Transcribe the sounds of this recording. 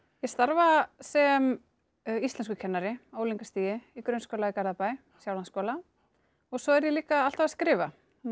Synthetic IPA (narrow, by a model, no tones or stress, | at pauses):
jɛst̪aɾvasɛm | ist̪lɛnskʏcʰɛnːaɾɪoːwliŋkast̪iːjɪikɾœɥnskoːwlaikaɾðapaj | sjawlanskɔːla | ɔɣsɔɛɾjɛliːkaalt̪avaskɾɪːva